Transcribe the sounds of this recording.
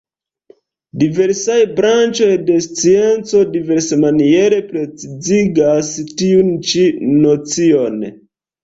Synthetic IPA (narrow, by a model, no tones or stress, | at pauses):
dive̞ɾsajbɾant͡ʃo̞jde̞st͡sie̞nt͡so̞dive̞ɾsemanie̞ɾe̞pɾe̞t͡siziɡastiunt͡ʃinot͡sio̞n